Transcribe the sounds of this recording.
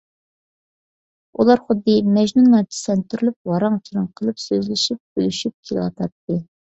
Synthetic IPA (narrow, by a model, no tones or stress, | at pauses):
ulˠɑɾχʊd̪ːɨmɛd͡ʒnunːɑt̪ʰi̥sɛnt̪ʰyɾlyp̚wɑɾɑŋt͡ʃʰiɾɨŋqʰəlˠɨpsøzlɪʃip̚bølyʃyp̚kʲʰelˠwɑ̰t̪ʰɑt̪ːɨ